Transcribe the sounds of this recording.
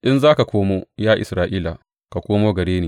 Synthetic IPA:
ʔɪ˦nzaː˦ka˨kʷoː˦moː˦jaː˦ʔɪ̰˨sɾaː˦ʔiː˦la˨ | ka˨kʷoː˦moː˦ɡɐ˨ɽeː˦niː˨

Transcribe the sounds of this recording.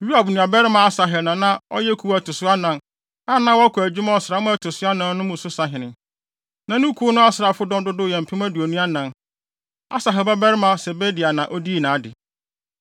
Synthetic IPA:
ji˦a˨bnũ˨a˨bɛ˦ɾɪ˦mã˨a˦sa˨ɦɛ˨nã˨nã˦ɔ̰˦jɛ˦kʰu˨˦wæ˨tʰʊ˨sʊ˦a˦nã˨n | a˦nã˦wɔ˦kʰʊ˨æ˨d͡ʑᶣu˦mã˦ɔ˨sɪ˨ɾa˨˦mʊ̃˦æ˨tʰʊ˨sʊ˦a˦nã˨nnʊ̃˦mʊ̃˨sʊ˦sa˨ɦɪ̃˨nɪ̃˨ | nã˨nʊ̃˦kʰu˦nʊ̃˦a˦sɪɾa˨fʊ˦dɔ̃˦ndʊ˦dʊ˦˨jɛ̃˨m̩˨pʰɪ̃˦mæ̃˦du˨o˨nũ˦a˦nã˨n | a̰˦sa˨ɦɛ˨bɛ˦bɛ˦ɾɪ˦mã˨sɛ˨be˦di˨a˨nã˨ʔɔ˦di˦˨nãː˨a˦dɪ˨

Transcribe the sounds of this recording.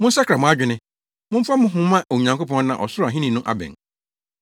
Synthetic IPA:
mʊ̃˦n̩˦sa˦kʰɾa˨mʊ̃˦a˦d͡ʑᶣɪ˨nɪ̃˦ | mʊ̃˦m̩˦fa˦mʊ̃˦ɦʊ̃˦mã˦ʔo˨ɲã˨ŋko˦pʰɔ̃˦n˦nã˨ʔɔ˨sʊ˦ɾa˨ɦĩ˦nĩ˨nʊ̃˦ʔa̰˨bɛ̰̃˨n

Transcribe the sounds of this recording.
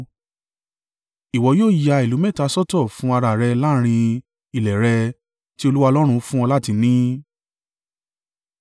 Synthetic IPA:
i˨wɔ˨˦joː˦˨ja˧i˨lu˨˦mɛ˦˨ta˧sɔ˦tɔ˦˨fũ˨˦a˧ɾa˨ɾɛ˧la˦ɾ̃ĩ˧ | i˨lɛ˨ɾɛ˧ | ti˦o˧lu˦wa˧lɔ˦ɾ̃ũ˧fũ˦ɔ˧la˦ti˧nĩ˦

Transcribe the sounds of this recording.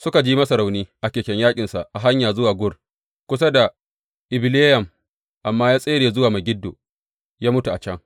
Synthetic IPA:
sʊ˦ka˨d͡ʒiː˦mɐ˦sa˨ɾa˨wniː˦ʔa˨kʲeː˨kʲɛ˨ɲjaː˦kʲʼɪ˨nsa˨ʔa˨ɦa˦ɲjaː˨zʊ˦waː˨ɡʷʊ˦r | kʷʊ˦s̬a˦da˨ | ʔɪ˨bɪ˨leː˦jɐ˨m | ʔa˨mːaː˦jaː˦sʼeː˦ɽeː˨zʊ˦waː˨ma˨ɡʲɪ˦dːo̰ː˨ | jaː˦mʊ˦tu˨ʔa˨t͡ʃɛ˦ŋ

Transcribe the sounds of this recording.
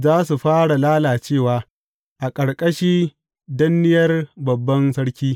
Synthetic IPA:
zaː˦su˨ɸaː˦ɽa˨laː˦laː˨t͡ʃeː˦˨waː˨ | ʔa˨kʼɐ˨ɽkʼɐ˦ʃiː˦ | dɐ˦nːɪ˦jɐ˦rbɐ˨bːɐ˦nsɐ˦ɽkʲiː˦

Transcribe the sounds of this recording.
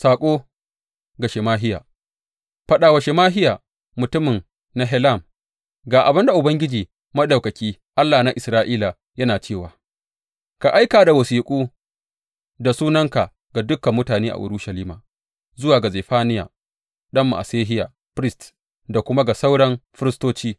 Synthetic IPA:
saː˨kʷʼoː˦ | ɡa˨ʃe˨maː˦ɦɪ˦ja̰ː˨ | ɸɐ˦ɗaː˨wɐ˨ʃe˨maː˦ɦɪ˦jaː˨ | mʊ˨tʊ˦mɪ˨n | na˦ɦɛ˦la˦˨m | ɡaː˨ʔa˨bɪ˦nda˨ʔʊ˨bɐ˦ŋɡʲɪ˦d͡ʒiː˨ | mɐ˦ɗa˨wkɐ˨kʲiː˦ | ʔa˦lːaː˨na˦ʔɪ˨sɾaː˦ʔiː˦la˨ | jɐ˦naː˨t͡ʃeː˦˨waː˨ | ka˨ʔa˦jkaː˨da˨wɐ˨siː˨kʷʼuː˦ | da˨suː˦nɐ˦ŋka˨ | ɡa˨dʊ˦kːɐ˨mːʊ˦taː˨neː˦ʔa̰˨ʔʊ̰˨ɾu˦ʃɐ˨liː˦maː˨ | zʊ˦waː˨ɡa˨zeː˨ɸaː˦nɪ˦ja̰˨ | ɗɐ˦mːa̰˨ʔa̰˨seː˦ɦɪ˦ja˨ | ɸɾɪ˦st | da˨kʷʊ˦ma˦ɡa˨sa˦wɽɐ˦mɸɪ˦ɾɪ˦stoː˦t͡ʃiː˦

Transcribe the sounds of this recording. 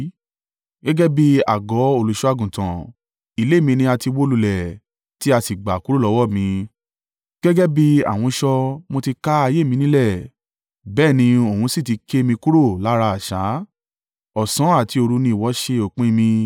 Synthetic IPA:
ɡɛ˦ɡɛ˦bi˦a̰˨ɡɔ˨˦o˦˨lu˨ʃu˦a˧ɡũ˨tã̰˨ | i˨˧le˨˦˨mĩ˧nĩ˧a˧ti˧wo˦lu˧lɛ˨ | ti˦a˧ti˨ɡ͡ba˨ku˦ɾo˦˨lɔ˨˧˦wɔ˦˨mĩ˧ | ɡ̥ɛ˦ɡɛ˦bi˦a̰˦˨w̃ɔ̃˧ʃɔ˧mo˧ti˧ka˦a˧je˦˨mĩ˧nĩ˦lɛ˦˨ | bɛː˦˨nĩ˧õ˨ũ˧˦si˦˨ti˨˧ke˦mĩ˧ku˦ɾo˦˨la˨˦ɾa˧a˨ʃa˨˦ | ɔ˨sã˨˦a˦˨ti˧o˧ɾu˧nĩ˧i˨wɔ˨˦ʃe˧o˨k͡pĩ˦˧mĩ˧

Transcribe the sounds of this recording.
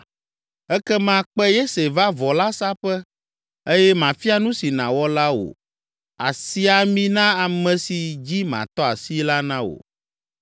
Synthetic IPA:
ɛ˦kɛ˦mã˦k͡pɛ˦je˦se˨va˦vɔ˨la˦sa˦ɸɛ˦ | e˦jɛ˦mã˨fi˦a˨nũ˦si˨nã̰˨wɔ˦la˦wo̰˨ | a̰˨si˦a˨mĩ˦nã˦a˨mɛ̃˨si˨d͡ʑi˦mã̰˨t̪ɔ˦a˨si˦la˦nã˦wo̰˨

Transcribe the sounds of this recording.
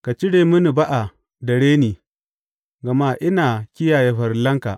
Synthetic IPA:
ka˨t͡ʃɪ˦ɽeː˨mʊ˦ni˨ba˦ʔa˨ | dɐ˨ɽeː˦niː˨ | ɡɐ˨maː˦ʔɪ˦naː˨kʲɪ˦jaː˨je˦ɸɐ˨rlɐ˦ŋka̰˨ʔ

